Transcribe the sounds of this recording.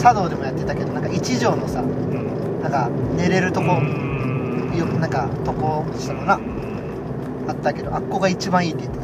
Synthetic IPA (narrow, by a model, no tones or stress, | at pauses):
sad̪o̞ːd̪e̞mo̞jat̪ːe̞t̪ake̞d̪o̞nãŋkait͡ɕiʑo̞ːno̞sa | nãŋkane̞ɾe̞ɾɯ̟t̪o̞ko̞ɾo | jonãŋkat̪o̞koɕi̥t̪amona | at̪ːake̞d̪o̞ʔakːo̞ːɡait͡ɕibãɰ̃iːt̪ːeit̪ːa